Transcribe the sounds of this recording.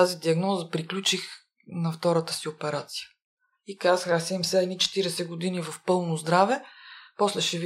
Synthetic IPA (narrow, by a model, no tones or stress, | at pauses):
azid̪iɐɡnɔzəpɾiklʲut͡ʃix | nɐft̪ɔɾət̪ə̥siopɛɾat̪si̥jə̥ | ikazəxasɛimsɛɛnit͡ʃɛ̥t̪iɾɛsɛɡod̪inivɐfpɤlˠnozd̪ɾavɛpɔslɛʃɛv